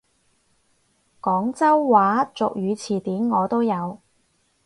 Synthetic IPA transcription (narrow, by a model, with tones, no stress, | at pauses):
kɔː˨˥ŋt͡sɐ˥wːaː˨˥t͡sʊ˨k̚jyː˨˧t͡sʰiː˨˩t̪iː˨˥nŋɔː˨˧t̪o˥wjɐ˨˧w